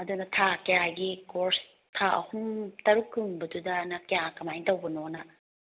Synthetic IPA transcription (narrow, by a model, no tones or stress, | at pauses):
ɐdunɐtʰakɐjaɡikoɾs | tʰaɐ̰humtɐɾukʰːɯŋbɐdudɐnɐkɐjakɐmajntɐwbɐnonɐ